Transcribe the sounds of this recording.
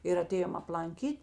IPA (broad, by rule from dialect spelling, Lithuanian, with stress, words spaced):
ɪr ɐˈtʲeːjoːm ɐplˠɐŋʲˈkʲiːtʲ